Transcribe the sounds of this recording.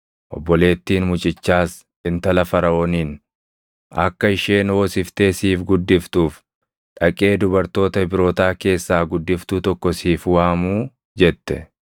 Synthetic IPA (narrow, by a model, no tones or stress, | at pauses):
ʔɔ̰bːɔle̞ːt̪ːiːnmʊt͡ʃʼɪt͡ʃːaːs | ᶑɪnt̪ɐlɐfɐɾɐoːniːn | ɐ̰kːɐɪʃe̞ːnhoːsɪft̪e̞ːsiːfɡʊd̪ːɪft̪uːf | ᶑɐkʼe̞ːd̪ʊbɐɾt̪o̞ːt̪ɐbɪɾo̞ːt̪aːke̞ːsːaːɡʊd̪ːɪft̪ut̪ɔkːɔsiːfwaːmuː | d͡ʒɛt̪ːɛ̰